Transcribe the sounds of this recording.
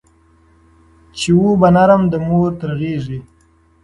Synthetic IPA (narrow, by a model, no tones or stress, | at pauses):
t͡ʃewubanaɾamd̪əmoɾt̪ɾaɣeːʐi